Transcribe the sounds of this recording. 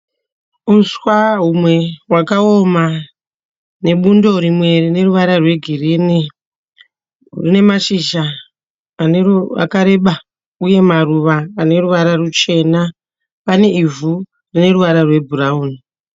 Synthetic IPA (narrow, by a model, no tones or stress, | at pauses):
unswaɦumwe̞wakao̞ma | ne̞ɓundo̞ɾimwe̞rine̞ruʋaɾarwe̞ɡʱirini | rine̞maʃiʒaː | a̰kaɾe̞ɓa | uje̞maruʋaːne̞ruʋaɾarut͡ʃe̞na | pane̞ivu | rine̞ruʋaɾarwe̞bʱurauːni